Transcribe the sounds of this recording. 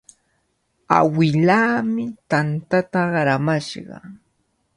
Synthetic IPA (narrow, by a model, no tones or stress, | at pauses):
a̰wɪlaːmɪt̪ant̪at̪aɢɑɾamaʃɢɑ̰